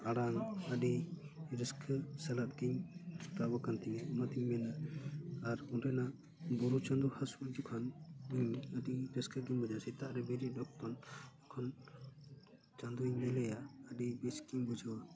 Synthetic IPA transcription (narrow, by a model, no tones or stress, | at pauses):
aɽanəɖiɾiskʰsɛlat̪̚ɡiɲu̥t̪abɔkant̪iɔmat̪iɲmɛnaː | ɾunɾɛnaʔ | bɔɾut͡ʃand̪uhasud͡ʒukʰɔnɡiɲəɖiɾiskəɡiɲbɔd͡ʒasit̪aʔɾɛbiɾiɖɔk̚t̪ɔnɛkʰɔn | t͡ʃãnd̪uiɲmɛlɛjaəɖibisɡiɲbud͡ʒɔwa